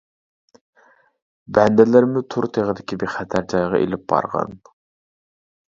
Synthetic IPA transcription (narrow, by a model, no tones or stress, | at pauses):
bɛnd̪ɪlɪɾmʊt̪ʰuɾt̪ʰeʁəd̪ɪkʲibeχæt̪ʰæɾd͡ʒɑjʁɑ̰ʔḛlɪp̚bɑ̰ɾʁɑ̰n